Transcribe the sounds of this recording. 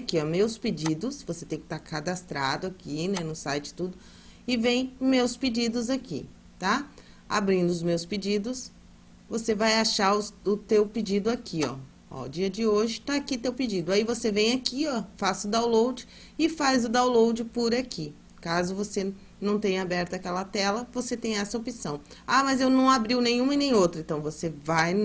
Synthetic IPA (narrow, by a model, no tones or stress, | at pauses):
akiɔmewsped͡ʒid̪ʊsvoset̪ẽj̃kɪt̪aɾkad̪ast̪ɾad̪ʊakinɛnʊsajt͡ʃɪ̥t̪ud̪ʊ | ɪvẽj̃mewsped͡ʒid̪ʊzakḭ | t̪a | a̰bɾĩnd̪ʊʊzmewsped͡ʒid̪ʊs | vosevajaʃaɾʊʊt̪ewpɪd͡ʒid̪ʊakʰiɔ̰ | ɔ̰d͡ʒiɐd͡ʒɪoʒɪt̪aakit̪ewpid͡ʒid̪ʊaivosevẽj̃akiɔfasʊd̪aw̃lowd͡ʒɪ | ɪfajzʊd̪aw̃lowd͡ʒɪpʊɾakʰi | kazʊvose | nɐ̃w̃t̪ẽj̃abɛɾt̪ɐakɛlɐt̪ɛlɐvoset̪ẽj̃ɛsɐopisɐ̃w̃ | amɐzewnɐ̃w̃abɾiwnẽj̃ɲ̃ũɪnẽj̃owt̪ɾẽnt̪ɐ̃w̃vosevaj